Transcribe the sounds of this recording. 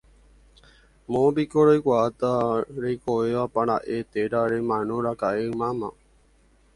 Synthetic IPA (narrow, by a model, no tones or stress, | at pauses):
mõbikoɾojkʷaat̪aɾekoʋeʋapaɾ̃aʔet̪eɾaɾemãnõɾakaʔemãmã